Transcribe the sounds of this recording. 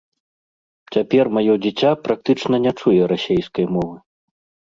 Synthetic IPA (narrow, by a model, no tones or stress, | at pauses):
t͡sʲapʲɛrmajɔd͡zʲit͡sʲapɾak̚t̪ɨt͡ʂnɐnʲat͡ʂujɛɾasʲejskɐjmɔvɨ